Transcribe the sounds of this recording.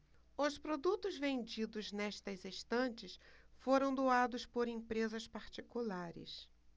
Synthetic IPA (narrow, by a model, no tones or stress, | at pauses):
ʊspɾod̪ut̪ʊzvẽnd͡ʒid̪ʊznɛʃt̪ɐziʃt̪ɐ̃nt͡ʃɪsfoɾɐ̃w̃d̪oad̪ʊspoɾẽpɾezɐspaɾt͡ʃikulaɾɪ̰s